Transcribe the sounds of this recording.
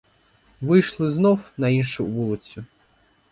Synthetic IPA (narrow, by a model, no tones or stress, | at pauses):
ʋɪjʃlˠɪznɔwnɐinʃʊʋulˠɪt͡sʲʊ